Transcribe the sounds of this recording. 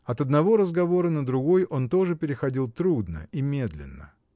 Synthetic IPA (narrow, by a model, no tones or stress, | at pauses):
ɐt̪ɐd̪nɐvo̞ɾəzɡɐvo̞ɾənəd̪ɾʊɡo̞jʔo̞nt̪o̞ʐɨpʲɪɾʲɪxɐdʲilˠt̪ɾud̪nə̰imʲe̞d̪lʲɪ̰nːə̰